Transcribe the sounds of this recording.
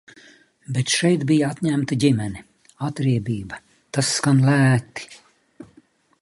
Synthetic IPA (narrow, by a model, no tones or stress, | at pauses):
bet̪ʃɛjt̪bijaat̪ɲæmt̪iɟimɛni | at̪ɾiɛbiːbɐ | t̪asːkanlæːt̪i̥